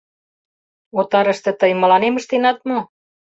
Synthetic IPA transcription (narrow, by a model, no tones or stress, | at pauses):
ot̪ɑɾə̆ʃt̪ĕt̪əjmɤ̆lɑnemə̆ʃt̪enɑt̪mo